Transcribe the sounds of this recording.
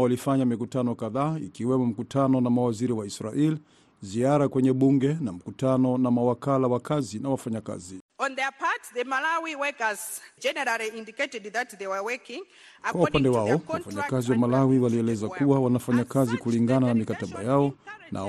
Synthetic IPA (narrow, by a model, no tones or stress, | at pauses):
walifaɲamikutanɔkaðaːikiwɛmɔm̩kutʰanɔnamawaziɾiwaisɾaʔɛli | ziaɾakwɛɲɛɓuŋɡɛnam̩kutanɔnamawakalawakazinawafaɲaka̰ziɔ̃nðɛpʰatðəmalawiwɛkəzd͡ʒɛnɛɾaliĩndiketɛdðatðewəwɛkĩŋ | kwaupandɛwaɔwafaɲakaziwamalawiwaliɛlɛzakuwawanafaɲakazikuliŋɡananamikataɓa̰jaɔnʔa̰